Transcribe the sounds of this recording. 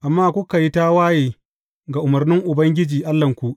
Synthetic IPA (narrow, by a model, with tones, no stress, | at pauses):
ʔa˨mːaː˦kʷʊ˦ka˨ji˦ta˦waː˦jeː˨ | ɡa˨ʔʊ˨mɐ˨rnɪ˦ŋʔʊ˨bɐ˦ŋɡʲɪ˦d͡ʒiː˨ʔa˦lːɐ˨ŋkʷu˦ʔ